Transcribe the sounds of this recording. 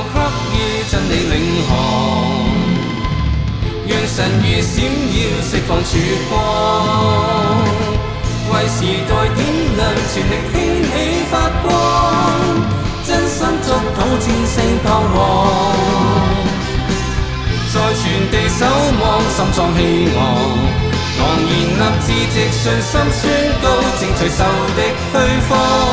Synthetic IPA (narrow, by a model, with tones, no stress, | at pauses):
hʰɐ˥k̚jiː˧t͡sɐ˨˩nle˨˧jlɪ˨˧˥ŋɦɔː˨˩ŋ | jœː˨ŋsɐ˨˩njyː˨siː˨˥mjiː˨˧wsɪ˨k̚fɔː˨ŋsʰyː˨˥kɔː˥ | wɐ˨jsiː˨˩t̪ɔː˨˧jt̪ʰiː˥nlɐ˨˩nt͡ʃʰyː˨˩nlɪ˨k̚hɪ˥ŋɦe˨˥jfaː˧t̚kɔː˥ | t͡sɐ˥nsɐ˥mt͡sʊ˨˧k̚t̪ʰo˨˥wt͡sʰiː˧nsɪ˧ŋpʰaː˧wwɔː˨˧ | t͡sɔː˨˧jt͡ʃʰyː˨˩nt̪e˨jsɐ˨˥wmɔː˨ŋsɐ˨mt͡sɔː˨˧ŋɦe˧˥jmɔː˨ŋ | ŋɔː˨˩ŋjiː˨nlɐ˨˧p̚t͡siː˨˥t͡sɪ˨˧k̚sɵ˧nsɐ˥msyː˥nko˧wt͡sɪ˨˧ŋt͡sʰɐ˨˩jsɐ˨˧wt̪ɪ˥k̚hɵ˥ɥfɔː˥